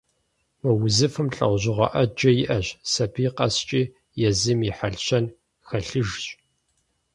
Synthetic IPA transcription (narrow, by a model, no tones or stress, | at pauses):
mɐwʊzɨfɨmɬʼɐ̰wʷʑɪʁʷɐ̰ʔɐd͡ʒɐjɪʔɐʑsɐbiːqɐst͡ʃʼiː | jɛzɨmiħaɮɕɐn | xɐɬɨʒɕʼ